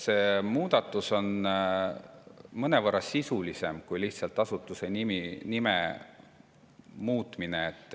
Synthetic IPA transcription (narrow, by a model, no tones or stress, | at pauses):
se̞ːmuːd̪̥ɑt̪ːˑuso̞n | mɤnevɤrːɑsisulise̞mkujliht̪sɑlt̪ːˑɑsut̪ːˑuse̞niminime | muːt̪ˑmineːt̪ːˑ